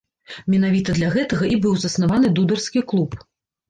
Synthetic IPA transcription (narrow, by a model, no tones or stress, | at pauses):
mʲɛnavʲit̪ɐd̪lʲɐɣɛt̪ɐɣɐʔibɨwzɐsnavanɨd̪ud̪ɐrskʲiklˠup